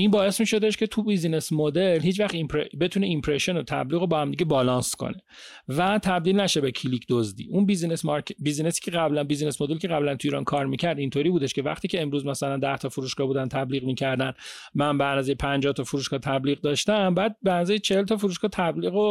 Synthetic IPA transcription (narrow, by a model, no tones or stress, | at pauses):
inbɒːe̞smiːʃo̞d̪eʃcʰe̞t̪ʰubizinesmod̪elɦiːt͡ʃvæχt̪impʰɾebe̞t̪ʰuːneimpʰɾeʃonot̪ʰæ̰bliːɣo̞bɒːhæmd̪iɟebɒːlɒːnskʰo̰ne̞ | væt̪ʰæbd̪iːlnæʃebekʰilicʰd̪ozd̪ḭːʔunbizinesmɒɾcbizinesi̥ːcʰeʁæblænbiːzine̞smo̞d̪elcʰeʁæblænt̪ʰuiːɾɒ̰ːnkʰɒːɾmicʰæɾd̪int̪ʰoːɾiːbuːd̪eʃcevæ̰χt̪ʰiːcʰe̞emɾuːzmæsælænd̪æht̪ʰɒːfuɾuːʃkɡɒːbuːd̪ænt̪ʰæbliːɣmiːcʰæɾd̪ænmænbæɾnazejpʰænd͡ʒɒːht̪ʰɒfuɾuːʃkɒːt̪ʰæbliːɣd̪ɒːʃt̪æmbæːd̪̚bænazæjt͡ʃʰehelt̪ʰɒːfuɾuːʃɡɒːt̪ʰæbliːɣo